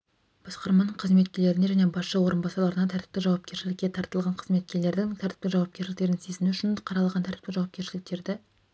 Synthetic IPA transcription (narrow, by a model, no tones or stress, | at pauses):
b̥ɑsqɑɾmɑnəɴqʰəzme̞t̪̚kʲele̞ɾɪne̞ʒæne̞bɑsʃɑwo̞ɾənbɑsɑɾlˠɑɾənɑt̪ʰæɾt̪ɪ̥p̚t̪ɪʒɑwɑp̚kʲe̞ɾʃɪlɪkʲːet̪ʰɑɾt̪əlˠʁɑɴqʰəzme̞t̪̚kʲe̞ɾle̞ɾd̪ɪŋt̪ʰæɾt̪ɪ̥p̚t̪ɪʒɑwɑp̚kʲesʃɪlɪk̚t̪eɾɪŋsezɪmɪʏʃɪnqʰɑɾɑlˠɑʁɑnt̪ʰæɾt̪ɪ̥p̚t̪ɪʒɑwɑpkʲe̞ɾʃɪlɪk̚t̪e̞ɾd̪ɪ